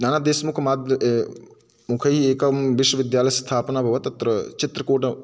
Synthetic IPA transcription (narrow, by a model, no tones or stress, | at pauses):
naːnad̪eːsmukʰɐmaːd̪ | mukʰɐɦieːkɐʋɪʃwɐʋɪd̪jaːlɐjɐst̪ʰaːpɐnabʱɐʋɐt̪ɐt̪ɾɐt͡ʃɪt̪ɾɐkoːʈɐ